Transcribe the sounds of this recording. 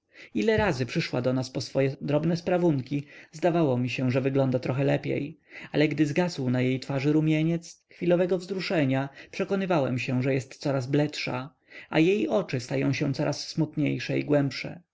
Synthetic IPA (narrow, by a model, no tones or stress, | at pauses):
ilɛɾazɘpʂɘʂwa̰d̪ɔnaspɔsfɔjɛd̪ɾɔbnɛspɾavuŋkʲizd̪avawɔmʲiɕɛ̃ʐɛvɘɡlɔnd̪at̪ɾɔxɛlɛpʲjḛjalɛɡd̪ɘzɡazwnajejt̪faʐɘɾumʲjeɲɛt̪sxfʲilɔvɛɡɔvzɾuʂɛɲapʂɛkɔnɘvawɛ̰mɕɛ̃ʐɛjɛst̪sɔɾazblɛtʂa̰ | ʔa̰jejɔt͡ʂɘst̪ajɔ̰̃w̃ɕɛ̃t̪sɔɾʔasːmut̪ɲejʂɛiɡwɛmpʂɛ̰